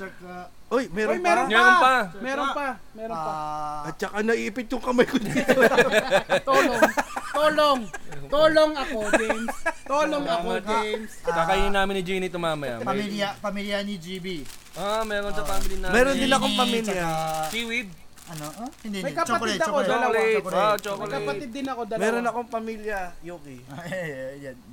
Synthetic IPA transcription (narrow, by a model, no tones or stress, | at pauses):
t͡ʃɐka | ojmɛɾojmɛɾonmɛɾonpɐmɛːɾonpɐ | mɛɾoaɐt̪̚t͡ʃɐkanɐʔiːʔpɪt̪̚jʊŋkɐmɐjkʊd̪io | t̪oloŋt̪oːloŋt̪oːloŋɐkoɾd̪ɛnsoːloŋɐkod̪nskakɐinɪnaːmɪnɪd͡ʒinit̪omaːmɐja̰pɐmiljapɐmiljɐnid͡ʒibiʔamɛɾonsɐpaːmɪlinamɛːɾond̪ɪnɐkoŋpɐmiljɐsiwɪd̪̚ | ʔɐnod̪mɐjkɐpt͡ʃɐt̪ɪd̪ɐkod̪ɐlɐwlat͡ʃoklkɐpɐt̪ɪd̪̚ːɪnɐko̞d̪ɐmɛːɾonɐkoŋpɐmiljɐjoːki | ja